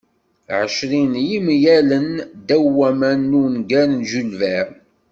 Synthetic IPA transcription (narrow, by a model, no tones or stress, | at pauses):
ʕəʃɾinjimjælənd̪æwːæmænːunɡænnʒulvæ